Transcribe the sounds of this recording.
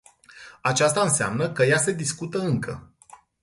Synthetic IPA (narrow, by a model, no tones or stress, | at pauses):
at͡ʃast̪aɨnsea̰mnəkəjase̞d̪iskut̪əɨŋkʰə̰